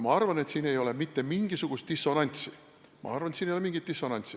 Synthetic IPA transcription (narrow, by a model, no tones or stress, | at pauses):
mɑɑrvɑne̞t̪siːne̞jo̞lemit̪ːe̞miŋɡ̥isuɡ̥ust̪̚d̪̥isːo̞nɑnʲt̪si | mɑ̰ɑrvɑnet̪siːnejoleiŋɡit̪̚d̥̪isːo̞nɑnʲt̪si